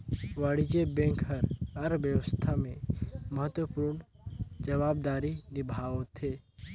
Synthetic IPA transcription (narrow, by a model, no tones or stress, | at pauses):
ʋaɽid͡ʒebẽŋkɦəɾɐɾbjəʋəst̪ʰamẽməɦət̪wəpuːɾɳ | d͡ʒəʋaːb̚d̪aːɾinɪbʱaːʋot̪ʰeː